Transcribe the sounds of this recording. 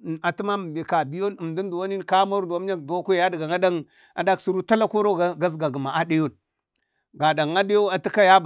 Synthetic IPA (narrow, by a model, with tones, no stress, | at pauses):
a˨tu˦ma˦m˨bi˨ka˨bi˦jo˦nə˨m˨du˦n˦du˨wa˦ni˦n˨ka˦mo˦ɾda˦m˦a˦kdo˦ku˦˨ja˦di˨ɡa˨ŋa˦da˦ŋ | a̰˨da˦ksu˦ɾu˦ta˦la˦ko˦ɾo˦ɡa˦z̬ɡa˨ɡə˨ma˨ʔa˦di˦jo˦n | ɡa˨da˨ŋa˦di˦jo˦a˨ti˦ka˦ja˦b